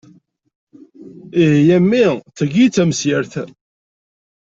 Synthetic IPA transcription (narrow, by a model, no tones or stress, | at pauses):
iɦjæmːit͡sːəɡit͡sːæməsjəɾθ